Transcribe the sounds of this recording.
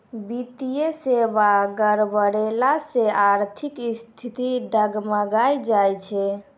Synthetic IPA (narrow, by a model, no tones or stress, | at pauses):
bit̪ijesebaɡəɾbəɾelaseʔaɾt̪ʰikst̪ʰit̪iɖəɡməɡajd͡ʒajt͡ʃʰɛ